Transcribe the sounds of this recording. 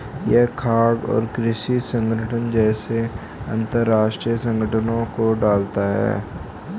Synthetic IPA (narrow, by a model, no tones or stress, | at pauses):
jɛɦkʰaːɡɔ̰ːɾkɾɪʃisə̃ŋɡəʈʰənd͡ʒɛːse | ɐ̰̃nt̪əɾːaːʃʈɾijəsə̃ŋɡʱəʈʰənõkoɖaːlt̪aɦɛ̰ː